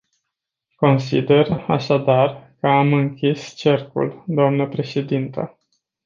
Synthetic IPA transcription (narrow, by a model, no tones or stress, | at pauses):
ko̞nsḭd̪e̞ra̰ʃad̪arkəamɨŋkʲist͡ʃe̞rkṵld̪oamnəpɾe̞ʃe̞d̪int̪ə̰